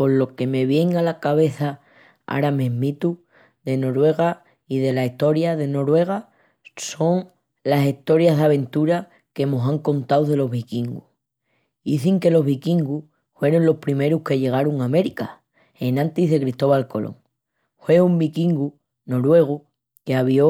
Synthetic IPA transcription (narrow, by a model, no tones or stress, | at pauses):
po̞lo̞ke̞me̞βje̞ŋalakaβe̞θa | a̰ɾamẽ̞ɦmit̪u | ðe̞no̞ɾwe̞ɣ̞a | iðe̞laiht̪o̞ɾjaðe̞no̞ɾwe̞ɣ̞a | so̞ŋ | lasiht̪o̞ɾjaɦðaβ̞ẽ̞nt̪uɾa | ke̞mosaŋko̞nt̪awðe̞lo̞ɦβikiŋɡu | iθiŋke̞lo̞ɦβikiŋɡu | fwe̞ɾonlo̞hpɾime̞ɾuhke̞ʎe̞ɣ̞aɾuŋame̞ɾika | enãnt̪iɦðe̞kɾist̪o̞βalko̞lo̞̰ŋ | fwe̞umbikiŋɡu | no̞ɾwe̞ɣ̞u | keaβ̞jo̞